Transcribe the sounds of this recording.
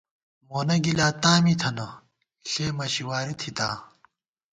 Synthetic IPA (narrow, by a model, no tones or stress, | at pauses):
moːnɐɡilaːt̪aːmit̪ʰɐnɐ | ɬeːmɐɕiwaːɾit̪ʰit̪a̰ː